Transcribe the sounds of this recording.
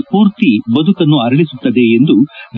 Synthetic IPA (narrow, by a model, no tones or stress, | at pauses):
puːɾt̪ibɐd̪ukɐnːuɐɾɐɭisut̪ːɐd̪e̞ːnd̪ud̪